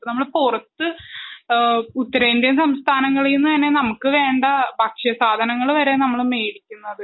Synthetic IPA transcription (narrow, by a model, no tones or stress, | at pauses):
nɐmːɐɭpurɐt̪ːɨ | ut̪ːɐɾɐind̪jɐmsɐmst̪ʰaːnɐŋːɐɭiinːɨt̪ɐnːe̞nɐmukːɨʋe̞ːɳɖɐbʱɐkʂɐsaːd̪ʱɐnɐŋːɐɭʋɐɾe̞nɐmːɐɭme̞ːɽikʲːunːɐðɨ